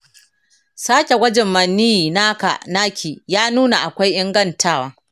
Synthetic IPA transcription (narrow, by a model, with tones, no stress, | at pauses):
saː˦kʲe˨wʷɐ˦d͡ʒɛ˨mːɐ˨nːiː˦ji˨naː˦ka̰˨naː˦kʰʲiː˨jaː˦nuː˦na˨ʔa˨kʷa˦jʔɪ˦ŋɡɐ˦ntʰaː˦waː˦